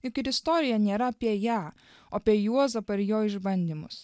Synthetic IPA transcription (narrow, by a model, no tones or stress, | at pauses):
ɪkʲɪɾɪst̪oːɾʲɪjɛnʲeːɾɐɐpʲiɛjæː | oːɐpʲiɛjuɔsɐpɐɪɾjoːɪʒbɐnʲd̪ʲiːmʊ̰s